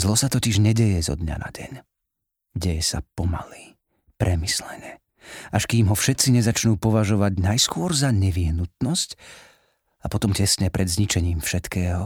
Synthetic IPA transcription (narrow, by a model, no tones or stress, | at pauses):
zlɔsat̪ɔciʒɲɛɟɛjɛzɔ̰d̪ɲa̰na̰ɟɛ̰ɲ | ɟɛjɛsa̰pɔma̰liː | pɾʔɛmislɛɲɛ | ʔaʃkiːmɦɔfʃɛt̪t͡siɲɛzat͡ʃnuːpɔʋaʒɔʋaɟnajskʊɔɾzaɲɛʋiɦnut̪̚nɔsc | apɔt̪ɔmcɛsɲɛpɾʔɛd̪zɲit͡ʃɛɲiːmfʃɛt̪kɛːɦɔ